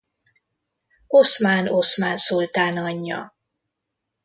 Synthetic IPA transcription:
osmaːno̞smaːnsolt̪aːnɒɲːɒ̰

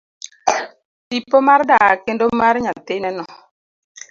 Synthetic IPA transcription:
tipːomaɾdakendomaɾɲat̪ɪnɛnɔ

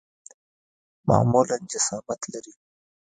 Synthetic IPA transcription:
mɑ̰muland͡ʒasɑːmat̪laɾi

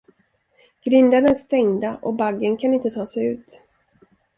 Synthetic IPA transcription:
ɡ̥ɾɪnd̪ad̪ənst̪ɛŋd̪aʔɔbaɡːənkʰanɪnt̪ət̪ʰɑːsɛjʉ̟̰ːt̪

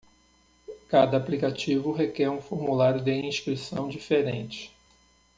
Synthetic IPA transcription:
kad̪ɐːplikat͡ʃivʊɦekɛɾũfoɾmulaɾjʊd̪ɪĩʃkɾisɐ̰̃w̃d͡ʒifeɾḛ̃nt͡ʃɪ̥

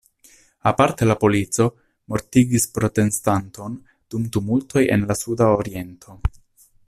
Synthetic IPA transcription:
apaɾte̞lapo̞lit͡so̞ | mo̞ɾtiɡispɾo̞te̞nstanto̞n | d̥umtumulto̞je̞̰nlasudaoɾie̞ntʰo̞

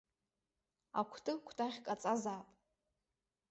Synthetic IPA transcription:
a̰kʷʰtʰʼɨkʷʰtʰʼaʁʲkʼat͡sʼazaːpʼ

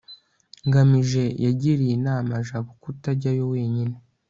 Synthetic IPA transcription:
ŋɡamiʒe̞jaɟiɾijinaːmaʒaβokutaɾɟajo̞we̞ːɲine

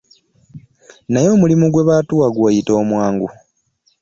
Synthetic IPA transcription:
najo̞ːmulimuɡwe̞βaːtuwaɡwoːjito̞ːmwaːŋɡu

